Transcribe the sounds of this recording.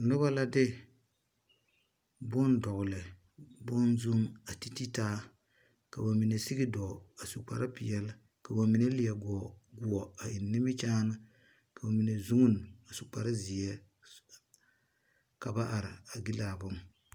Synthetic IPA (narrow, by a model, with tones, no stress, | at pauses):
nʊ˦βa˦la˦dɪ˦ | bʊ˦ndɔ˨ɣʊ˨lɨ˨ | bʊ˦nzu˦ŋa˨ti˦ti˦taː˦ | ka˨ba˨mi˨ne˨si˦ɡɪ˦dɔ˨a˨su˨k͡pa̰˨ɾa˦pi˨jɛ˦l | ka˨ba˨mi˨ne˦li˨ɛ˨ɡɔ˨ɡʊ˨ɔ˨a˨ɪ˨nːɪ˦mɪ˦t͡ʃaː˦na˦ | ka˨ba˨mi˨ne˨zu˦ŋʊ˦n˨a˨su˨k͡pa˨ɾa˦zi˨ɛ˦ | ka˨ba˦ʔa˨ɾɪ˨a˨ɡi˦laː˨bʊ˦m